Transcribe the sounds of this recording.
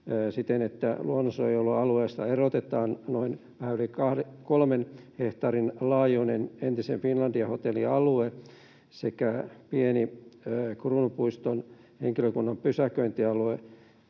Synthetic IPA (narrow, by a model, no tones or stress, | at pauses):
sit̪enet̪ːæluonːosoejolːuɑlueːst̪ɑerot̪et̪ɑːnnoinʋæhæːnolikɑhkolmenheht̪ɑrinlɑːjunenent̪isenfinlɑnd̥iɑhot̪eliɑlue | sekæpieni | kruːnupuist̪on | hḛŋkiløkunːɑmpysækøint̪iɑlue